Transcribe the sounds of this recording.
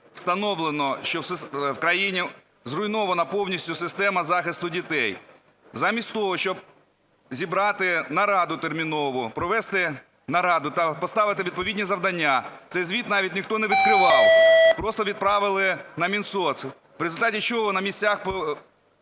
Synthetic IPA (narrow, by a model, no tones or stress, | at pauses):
w̥st̪ɐnɔwlˠenɔʃt͡ʃɔsswkɾɐjinʲi | zrʊjnɔʋɐnɐpɔwnʲisʲtʲʊsɪst̪ɛmɐzɑxɪst̪ʊdʲit̪ɛj | zɑmʲisʲtʲt̪ɔɦɔʃt͡ʃɔb̚ | zʲibɾɑt̪ɪnɐɾɑd̪ʊt̪ermʲinɔʋʊpɾɔʋɛst̪ɪ | nɐɾɑd̪ʊt̪ɐpɔst̪ɑʋɪt̪ɪʋʲid̪̚pɔʋʲidʲnʲizɐʋd̪ɐnʲːat̪sɛjzʋʲit̪nɑʋʲit̚ʲnʲɪxt̪ɔnɛʋʲid̪̚kɾɪʋɑlpɾɔst̪ɔʋʲid̪̚pɾɑʋɪlˠɪnɐmʲinsɔs | ʋɾezʊlʲt̪ɑtʲit͡ʃɔɦɔnɐmʲisʲt͡sʲaxp